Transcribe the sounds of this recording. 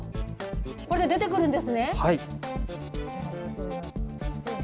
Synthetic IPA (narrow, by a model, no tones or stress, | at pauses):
koɾed̪ed̪e̞t̪e̞kɯ̟ɾɯ̟̃nd̪esɨne̞hai